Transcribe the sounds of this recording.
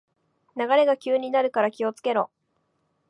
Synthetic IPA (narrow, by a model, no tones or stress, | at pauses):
naɡaɾe̞ɡakʲɨːɲ̟inaɾɯ̟kaɾakʲio̞t͡sɨ̥ke̞ɾo̞